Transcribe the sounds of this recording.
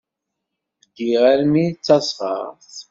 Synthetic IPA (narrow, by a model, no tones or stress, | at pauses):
ɡiʁæɾmit͡sːɑsˤʁɑ̰ɾθ